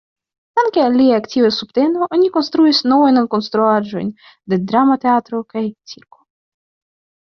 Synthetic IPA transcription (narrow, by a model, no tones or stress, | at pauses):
t̪aŋkealʲiaakt̪ʲivɛsupt̪ɛnoʔonʲikonst̪ɾujsʲnovojnonkonst̪ɾuad͡ʒojnʲ | d̪ed̪ɾamat̪eat̪ɾokajt̪siɾko̥